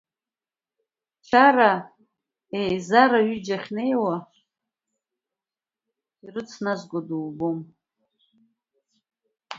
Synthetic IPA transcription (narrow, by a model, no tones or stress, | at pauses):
t͡ʃʰaɾa | ejzaɾaɥid͡ʒaχʲne̞jwa | irɨt͡sʰnazʷɡʷaduwbom